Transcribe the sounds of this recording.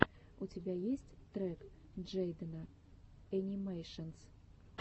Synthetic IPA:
ut͡sʲabʲajesʲt͡sʲt̪ɾɛk | d͡ʐɛjd̪ɐnɐ | ɐnʲimɛjʂəns

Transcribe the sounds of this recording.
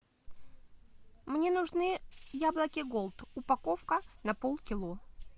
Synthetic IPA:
mnʲe̞nʊʐnɨjablˠəkʲɪɡolˠt̪ʊpɐkofkənɐpolˠkʲɪlˠo

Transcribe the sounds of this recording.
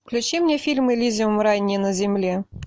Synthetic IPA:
klʲʊt͡ʃimnʲɛfʲilʲmɨlʲizʲimɾɑjnʲːinɐzʲɪmlʲi

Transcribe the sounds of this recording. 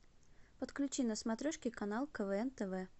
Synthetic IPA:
pət̪klʲʉt͡ɕinəsmɐt̪ɾʲoʂkʲɪkɐnalˠkəvəɛnt̪ɛvɛ

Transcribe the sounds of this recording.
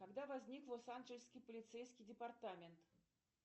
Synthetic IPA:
kaɡd̪avazʲnʲiklˠɔsanʐɛlʲsʲkʲipəlʲit̪sɛjsʲkʲid̪ʲɛpart̪amʲɛnt̪

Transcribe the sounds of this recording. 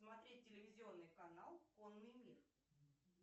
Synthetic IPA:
smɐt̪ɾʲet̚ʲtʲːɪlʲɪvʲɪzʲɪo̞nːɨjkɐnalˠkonːɨjmʲir

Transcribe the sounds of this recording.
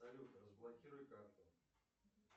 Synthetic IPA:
ɐlʲut̪rəzblˠɐkʲiɾʊjkakt̪ə

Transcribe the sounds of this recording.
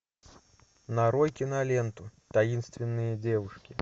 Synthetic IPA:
nɐɾɔjkʲinɐlʲɛnt̪ut̪ajinst̪vʲɛnːɨjɐd͡zʲɛvuʂkʲi

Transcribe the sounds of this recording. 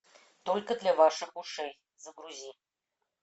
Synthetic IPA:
t̪olʲkəd̪lʲavaʂɨxuʂej | zəɡɾuzʲi

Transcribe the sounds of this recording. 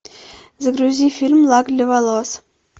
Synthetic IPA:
zəɡruzʲifʲilʲmlˠɑɡlʲevalˠos

